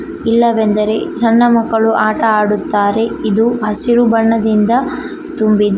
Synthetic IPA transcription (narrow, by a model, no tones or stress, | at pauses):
ilːɐʋend̪ɐɾe̞sɐnːɐmɐkːɐɭuʔaːʈɐaːɽut̪ːaːɾe̞id̪uɦɐsiɾubɐɳːɐd̪ind̪ɐ | t̪umbid̪e